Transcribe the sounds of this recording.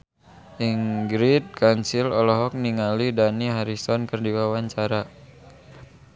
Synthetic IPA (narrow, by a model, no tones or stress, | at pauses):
ʔiŋɡɾit̪̚kansilɔlɔɦɔk̚niŋalidaniɦaɾisɔnkərdiwawaɲt͡ʃaɾa